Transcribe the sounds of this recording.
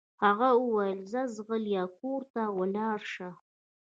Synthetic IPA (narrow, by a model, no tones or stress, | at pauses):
haɣawəwajəlzazɣəljɑkoɾt̪awəlɑːɾʃa